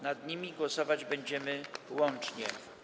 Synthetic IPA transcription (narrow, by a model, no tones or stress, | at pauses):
nad̪ɲimʲiɡwɔsɔvad͡ʑbɛɲd͡ʑɛmɘwɔnt͡ʂɲɛ̰